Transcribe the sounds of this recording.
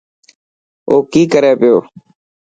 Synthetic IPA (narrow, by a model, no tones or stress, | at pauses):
oːkiːkəɾeːpɪjoː